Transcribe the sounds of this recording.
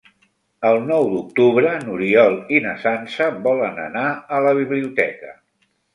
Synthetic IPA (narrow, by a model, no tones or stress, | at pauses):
əlˠnɔwd̪uk̚t̪uβɾənuɾiɔlˠinəsansəbɔlənə̰naələβ̞iβliut̪ɛ̰kə